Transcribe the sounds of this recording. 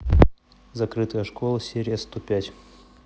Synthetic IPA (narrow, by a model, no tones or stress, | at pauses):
zɐkɾɨt̪əjəʂkolˠəsʲeɾʲɪjəst̪opʲætʲ